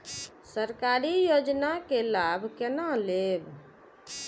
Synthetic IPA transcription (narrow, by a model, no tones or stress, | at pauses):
səɾkaɾijod͡ʒnakelabʱkenaleb